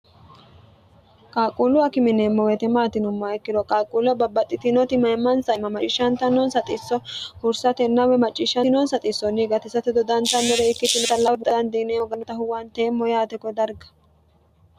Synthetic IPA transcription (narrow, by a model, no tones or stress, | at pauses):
kʼaːkʼulʊɐkɪmɪnemːɔwɛt̪ɛmaːt̪ɪnʊmːaɛkːɪd̪ɔkʼaːkʼulɔbɐbːɐt̪ʼːɪt̪ɪnɔt̪ɪmɐjmːɐnsɐmɐmɐt͡ʃʼɪʃɐnt̪ɐnɔnsɐt̪ʼɪsːɔhʊɾsɐt̪ɛnːɐwɛmɐt͡ʃʼːɪʃɐnɔnsɐt̪ʼɪsːɔnːɪɡɐt̪ɪsɐt̪ɪd̪ɔd̪ɐnt̪ɐnːɛɾɛɪkːɪt̪ːɪnɔt̪ɐlɐwɛd̪ɐd̪ɐnd̪iːneɔɡɐnɔt̪ɐɦʊwant̪eːmːɔjaːt̪ɛkɔd̪ɐɾɡɐ̥